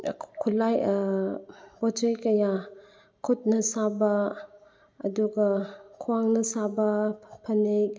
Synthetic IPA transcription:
kʰulaj | bɔd͡ʒejkɐja | kʰut̚nɐsabɐ̰ː | duɡɐkʰuwaŋnɐsabɐpʰɐnek̚

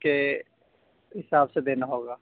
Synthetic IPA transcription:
ke | ɦɪsaːbsed̪eːnaɦoːɡaː

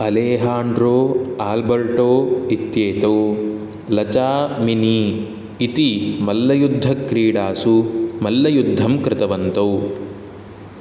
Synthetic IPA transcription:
ɐleːɦaːɳɖɾoːaːlbɐɾʈoːit̪jeːt̪ɐw | lɐt͡ʃaːminiː | t̪imɐlːɐjud̪ʱːɐkɾiːɽaːsumɐlːɐjud̪ʱːɐmkɾɪt̪ɐʋɐnt̪ɐw

